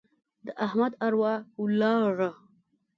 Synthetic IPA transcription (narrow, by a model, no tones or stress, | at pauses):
d̪əʔahmad̪aɾwahulɑʐa